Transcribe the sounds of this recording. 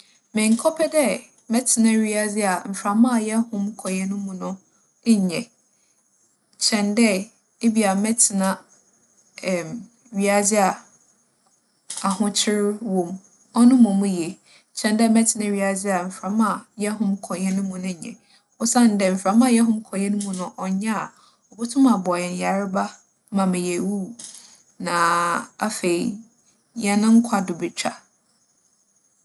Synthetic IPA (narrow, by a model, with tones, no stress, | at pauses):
mɪ̃˨ŋ̩˨kʰɔ˦pʰɛ˦dɛ˦ | mɛ˦tʰɪ˨nã˦ɥi˦a˦d͡zɪ˦a˨m̩˨fɾa˨mã˦˨jɛ˦hʊ̃˦mkʰɔ˨jɛ˦nʊ̃˦mʊ̃˨nʊ̃˦ | ɲ˨ɲɛ̃˨ | t͡ɕʰɛ̃˨ndɛ˦ | e˦bi˨a˨mɛ˦tʰɪ˨nã˦˨ | m | ɥi˦a˨d͡zɪ˦a˨ | a˨hʊ̃˦t͡ɕʰɪ˦ɾwõ˨m | ɔ˦nʊ̃˦mʊ̃˨m̃˦jɛ˨ | t͡ɕʰɛ̃˨ndɛ˦mɛ˦tʰɪ˨nɪ̃˦ɥi˨˦a˨d͡zɪ˦a˨m̩˨fɾã˨˦mã˨jɛ˦ɦʊ̃˦mkʰɔ˨jɛ˦nʊ̃˦mũ˨nʊ̃˦ɲ˨ɲɛ̰̃˨ | ɔ˦sã˦˨n˨dɛ˨m̩˨fɾã˨˦mã˦˨jɛ˦ɦʊ̃˦m˦kʰɔ˨jɛ˦nʊ̃˦mʊ̃˨nʊ̃˨ʔɔ˨ɲã˦a˨ | ɔ˨bʊ˦tʰʊ̃˦mã˨bɔ˨ɛ˨n˨ja˨ɾɪ˦ba˦ | mã˨mɪ̃˨je˨wu˦˨ | nã˨a̰˦fe˨i˨ | ɲɛ˨nʊ̃˦ŋ̩˦kʰa˨dʊ˨bɪ˨t͡ɕᶣa̰˨